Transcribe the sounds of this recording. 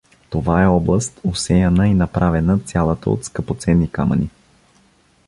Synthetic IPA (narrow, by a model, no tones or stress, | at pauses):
t̪ovaɛɔblˠəst̪osɛjɐnəinɐpɾʔavɛnət̪sʲjalˠət̪ə̰o̰t̪skəpot̪sɛnːika̰mə̰ni